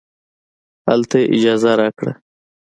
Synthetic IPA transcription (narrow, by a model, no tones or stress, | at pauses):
a̰lt̪eʔɪd͡ʒaːzaɾakɽa̰